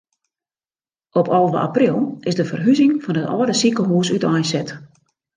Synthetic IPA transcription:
ɔpɔlˠʋəa̰prilˠɪzdəfərɦyzɪŋfɔnətɔ̰ːdəsikəɦuːsytɔjsɛt

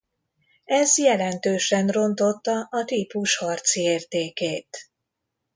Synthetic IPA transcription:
ɛzjɛlɛnt̪øːʃɛnro̞nt̪o̞t̪ːɒʔɒt̪iːpuʃhɒrt̪sieːrt̪eːkeːt̪

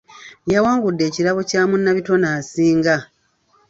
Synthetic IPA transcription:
jawaːŋɡudːe̞ːciɾaβocaːmunːaβito̞naːsiːŋɡa

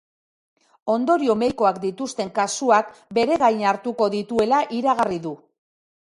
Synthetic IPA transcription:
o̞nd̪o̞ɾio̞mejko̞akd̪it̪ust̪e̞ŋkasuakbe̞ɾe̞ɣajnaɾt̪uko̞ðit̪ue̞laʔiɾaɣ̞ariðu

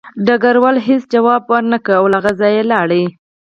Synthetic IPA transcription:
ɖaɡaɾwalɦesd͡ʒawɑbwəɾnakəawlaɣazɑjelɑɽə

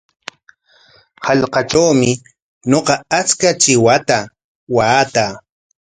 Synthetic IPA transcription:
hɑʎqɑt͡ʃawmɪ | ɲoqɑat͡skat͡ʃɪwat̪a | waːt̪a

